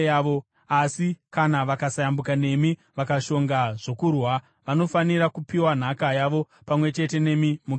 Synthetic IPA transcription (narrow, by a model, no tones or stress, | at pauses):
aʋo | asikanaʋakasajambukane̞mi | ʋakaʃo̞ŋɡaʐo̞kurwa | ʋano̞fanirakupiwan̤akajaʋo̞ | pamwe̞t͡ʃe̞te̞ne̞mimuk